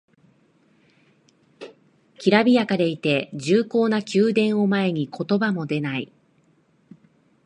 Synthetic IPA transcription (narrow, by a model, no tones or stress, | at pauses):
kʲiɾabʲijakad̪e̞it̪e̞ʑɨːko̞ːnakʲɨːd̪ẽ̞ɰ̃o̞mae̞ɲ̟ikʰo̞t̪o̞bamo̞d̪e̞nai